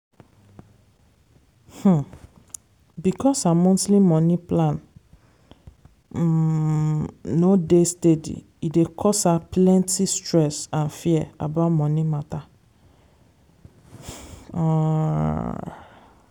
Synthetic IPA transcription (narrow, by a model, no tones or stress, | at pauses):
h̩ | bikʰɔsamɔ̃ntlimɔ̃nĩplãn | odestedḭ | idekʰɔshaplɛ̃ntistɹɛsãnfiɛa̰baʊtmɔ̃nĩmata